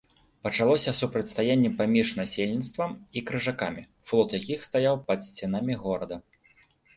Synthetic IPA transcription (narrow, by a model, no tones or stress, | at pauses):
pɐt͡ʂalˠɔsʲɐsupɾɐt͡sʲst̪ajanʲːɛpamʲiʂnasʲelʲnʲit̪st̪vɐmikɾɨʐakamʲi | flˠɔt̪jakʲixst̪ajawpɐt̪sʲt͡sʲɛn̪amʲiɣɔɾɐd̪ɐ